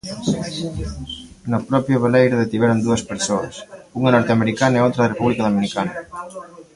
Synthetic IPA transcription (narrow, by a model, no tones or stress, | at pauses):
napɾɔpjoβelɛjɾəðet̪iβɛɾond̪uespeɾsoɐsuŋanɔɾt̪ameɾikaneot̪ɾəðrepuβlikaðominikanɐ